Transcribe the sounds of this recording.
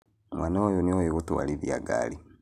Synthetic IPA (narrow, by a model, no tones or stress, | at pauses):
mwanaojoniojeɣutua̰liðjaɡa̰ːli